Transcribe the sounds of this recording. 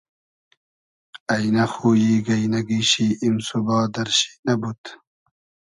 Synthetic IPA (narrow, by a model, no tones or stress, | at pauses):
ɐjnɐxuːjiːɡɐjnɐɡiːɕiːʔimsubɑːd̪ɐɾɕi̥nabut̪